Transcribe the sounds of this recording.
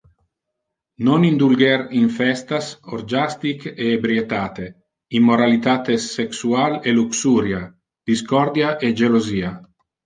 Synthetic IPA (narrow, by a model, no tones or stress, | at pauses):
nonind̪ulɡɛɾiɱfɛst̪asoɾd͡ʒast̪ikeebɾiet̪aːt̪e | imːoɾalit̪aːt̪eseksualeluksuːɾja | d̪̥iskɔɾd̪jaʔed͡ʒeloziːa